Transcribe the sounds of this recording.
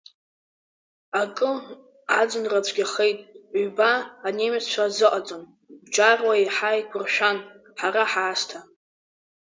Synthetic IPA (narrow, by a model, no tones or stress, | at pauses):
akʼɨ | ad͡zʷɨnrat͡ɕʷʰʼɡʲaχejtʼɥɥbaːnemat͡sʰt͡ʃʷʰazɨqʼat͡sʼon | bd͡ʒʼarwaiħajkʷʰʊrʃᶣan | ħaɾaħaːstʰa